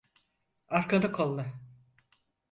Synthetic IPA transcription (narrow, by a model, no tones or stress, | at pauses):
aɾkad̪akʰolˠːa